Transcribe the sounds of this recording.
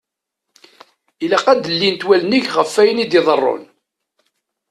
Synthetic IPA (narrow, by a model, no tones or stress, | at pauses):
ilæqæd̪əlːint̪wæləniʝʁəfːæjənid̪iðˤərˤːo̰n